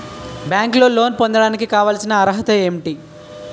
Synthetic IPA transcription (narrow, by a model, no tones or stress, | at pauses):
bjaːŋklo̞ːlo̞ːnpond̪ɐɽaːnikikaːʋaːlsinɐːɾɐɦɐt̪ɐeːmʈi